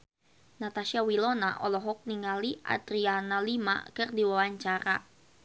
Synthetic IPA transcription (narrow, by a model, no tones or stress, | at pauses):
nat̪aʃiawilɔnaʔɔlɔɦɔk̚niŋaliʔa̰dɾianalima̰kərdiwawaɲt͡ʃaɾa̰